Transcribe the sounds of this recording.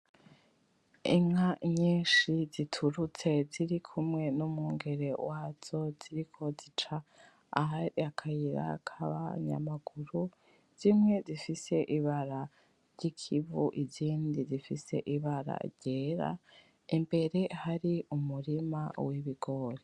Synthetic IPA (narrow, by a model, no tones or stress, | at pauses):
ḭŋaɲiːʃizitʰuɾut͡se̞ziɾikʰumŋe̞numŋuːŋɡe̞ɾe̞waːz̥o̞z̥iɾikʰo̞zit͡ʃa | ahaɾiakʰajiɾa̰kʰaβa̰ɲa̰maɡ̥uɾu | z̥imŋe̞zifise̞ʔiβaɾa | ɾɟ̥ikʰiβṵʔiziːndizifise̞̰ʔiβaɾa̰ɾɟe̞ːɾa̰ | imbe̞ɾe̞haɾiumuɾimawiβiɡo̞ɾi